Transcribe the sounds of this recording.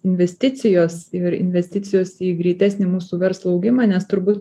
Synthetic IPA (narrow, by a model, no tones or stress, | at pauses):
ɪnʲʋʲɛsʲt̪ʲɪt̪t͡ssʲɪjoːsɪɾɪ̰nʲʋʲɛsʲt̪ʲɪt͡s̪ʲɪjoːsiːɡɾʲiːt̪ʲæːsʲnʲɪːmuːsuːʋʲɛɾslˠoɐʊɡʲɪmɑːnʲɛst̪ʊɾbuːt̪